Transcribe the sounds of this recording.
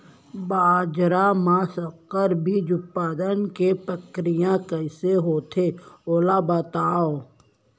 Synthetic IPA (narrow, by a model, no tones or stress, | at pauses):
baːd͡ʒɾamãsəqːəɾbʱid͡ʒʊpːaːd̪ənkepəkɾɪjãkəɪseɦoːt̪ʰeoːlabət̪aːo